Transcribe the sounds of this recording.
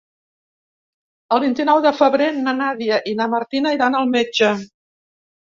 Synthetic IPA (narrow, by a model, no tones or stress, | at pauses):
əlˠβint̪inɔwðəfəβɾenənaðiəʔinəməɾt̪inəiɾanəlˠmed͡ʒə